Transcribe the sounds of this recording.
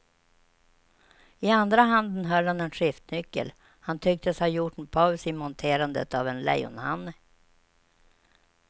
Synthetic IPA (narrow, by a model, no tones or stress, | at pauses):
ɪand̪ɾaɦand̪ənɦœlhanɛnɧɪft̪nʏkːə̰l | hant̪ʰʏk̚t̪əshajʊʈnpʰɔsɪmɔnt̪ʰeːɾand̪ə̰t̪avɛnlɛ̰jʊ̰nhanːə